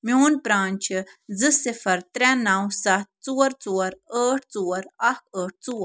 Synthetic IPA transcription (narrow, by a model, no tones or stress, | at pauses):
mjoːnpɾaːnʲt͡ʃʰzɨsɪfɐɾt̪ɾɛnɐwsɐt̪̚t͡soːɾt͡soːɾəːʈʰt͡soːɾɐkəːʈ̚ʰt͡soːɾ